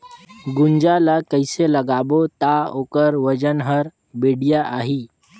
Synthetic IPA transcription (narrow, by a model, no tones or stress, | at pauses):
ɡuɲd͡ʒalakəjseləɡabot̪aokəɾʋəd͡ʒənɦəɾ | beɽijaʔaɦi